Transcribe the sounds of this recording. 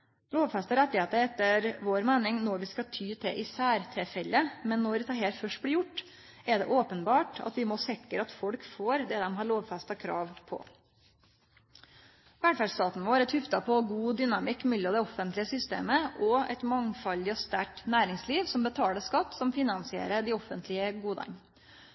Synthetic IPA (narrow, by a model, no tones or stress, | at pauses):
loːʋfɛst̪əɾɛt̪ːɪheːt̪əɾɛt̪ːəɾʋoːɾmæːnɪŋnɔɾʋɪskɑt̪ʰyːt̪ʰɛʔɪsæːɾt̪ʰɾɛfɛlːəmɛnːɔɾʋɪt̪ʰɑːɦɛːɾfœʂʈblɪjʊʈː | ɛɖ̪ɛ̰ʔoːpənbɑːʈɑ̰t̪ʋɪmoːsɪkːəɾɑt̪fɔlkfoːɾd̪ɛd̪ɛmɦɑːɭoːʋfɛst̪ɑkʰɾɑ̰ːʋpʰɔ̰ | ʋæɖ̪fæst̪ɑːt̪n̩ʋoːɾɛt̪hʉft̪ɑpʰɔɡuːd̪ʏnɑmɪkːmɪlːəd̪ɛɔfːənt̪lɪəsʏst̪ḛːməʔɔɛ̰t̪mɑŋfɑlːɪɔst̪æʈnæːɾɪŋsliːʋsɔmbət̪ʰɑːləʂkɑt̪ːsɔmfɪnɑnsɪḛːɾəɖ̪ɪɔfːənt̪ʰlɪəɡuːd̪ɑ̰ŋ